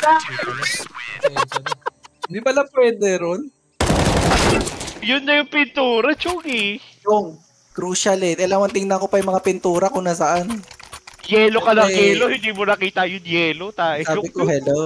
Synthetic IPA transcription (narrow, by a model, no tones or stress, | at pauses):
a | pwɛd̪ɛ | d̪ibɐlɐpwɛːd̪ɛɾon | jʊnːɐjʊŋpɪnt̪uːɾɐt͡ʃʊŋɪt͡ʃoŋ | kɾuːʃɐlɛt̪ɛlawɐnt̪ɪŋnɐkopɐjʊmɐŋapɪnt̪uːɾɐkoŋnas̬ɐʔan | jɛːlokɐnɐŋjɛːlohɪnd̪iːmonɐkiːt̪ɐjʊŋjɛːlot̪aːʔɪsaːbɪkohɛlo